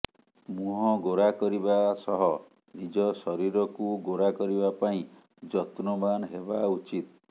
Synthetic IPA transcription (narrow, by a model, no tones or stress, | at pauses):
muɦɔ̃ɡoɾakɔɾibasɔɦɔ | nid͡ʒɔsɔɾiɾɔkuɡoɾakɔɾibapaĩ | d͡ʒɔt̪nɔmanɦebaut͡ʃit̪